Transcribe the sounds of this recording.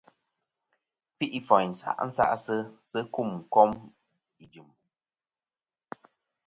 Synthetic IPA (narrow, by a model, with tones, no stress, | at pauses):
fi˦ʔi˦fɔ˨jn̩˨sa̰˨ʔn̩˦sa̰˦ʔsə˦sə˦ku˦˨m˨kɔ˦m | i˨d͡ʒɨ˨m